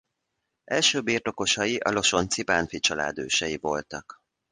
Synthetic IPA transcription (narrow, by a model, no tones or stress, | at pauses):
ɛlʃøːbiːrt̪o̞ko̞ʃɒjiʔɒlo̞ʃo̞nt̪sipaːnfit͡ʃɒla̰ːd̪ø̰ːʃɛjivo̞lt̪ɒk